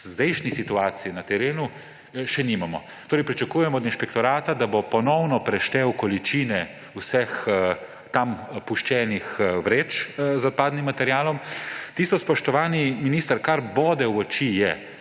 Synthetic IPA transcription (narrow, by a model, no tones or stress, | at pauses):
zd̪ɛjʃnisit̪uaːt̪sijinat̪ɛɾeːnu | ʃɛnimamɔ̰ | t̪oːɾɛjpɾit͡ʃakuːjɛmɔːd̪inʃpɛkt̪ɔɾaːt̪ad̪abopɔnɔwnɔpɾɛʃt̪ɛwkɔlit͡ʃiːnɛ | wsɛx | t̪ampuʃt͡ʃɛːnixʋɾeːt͡ʃzɔt̪̚paːd̪nimːat̪ɛɾjaːlɔmt̪ist̪ɔspɔʃt̪ɔʋaːniminiːst̪əɾkaɾboːd̪ɛwɔt͡ʃijɛ